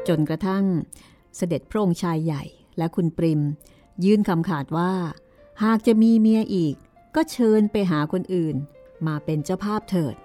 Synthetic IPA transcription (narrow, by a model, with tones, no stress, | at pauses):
t͡ɕo˧nkɾa˧t̪ʰa˥˩ŋ | sa˧de˨˩t̪̚pʰɾa˦˥ʔo˧ŋt͡ɕʰaː˧jːa˨˩j | lɛ˦˥ʔkʰu˧npɾi˧m | jɯː˦˥˩nkʰa˧mkʰaː˨˩t̪̚waː˥˩ | haː˨˩k̚t͡ɕa˨˩ʔmiː˧mi˧ɐʔiː˨˩kː | ɔː˥˩t͡ɕʰɤː˧npa˧jɦaː˩˦kʰo˧nʔɯː˨˩n | maː˧pe˧nt͡ɕa˥˩wpʰaː˥˩p̚t̪ʰɤː˨˩t̪̚